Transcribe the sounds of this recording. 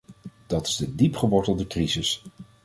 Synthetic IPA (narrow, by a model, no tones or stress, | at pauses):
d̥ɑtɪ̥zdədipχəʋɔɹtəlˠdəkrizəs